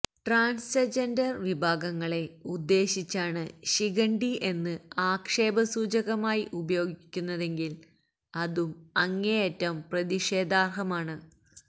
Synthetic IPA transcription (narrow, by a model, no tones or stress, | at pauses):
ʈraːnsed͡ʑendɐrʋibʱaːɡɐŋːɐɭe̞ud̪ːe̞ːɕit͡ɕːaːɳɨɕiɣɐɳɖie̞nːɨaːkʂe̞ːbɐsuːd͡ʑɐɣɐmaːjiʔubɐjo̞ːɡikʲːunːɐðe̞ŋɡil | ɐðumɐŋːejetːɐmprɐðiʂe̞ːd̪aːrɦɐmaːɳɨ